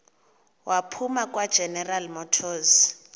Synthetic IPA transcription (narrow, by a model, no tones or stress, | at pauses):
wʔapʰumakʼwad̥ʒ̥ʱɛnɛralmɔtʰɔːs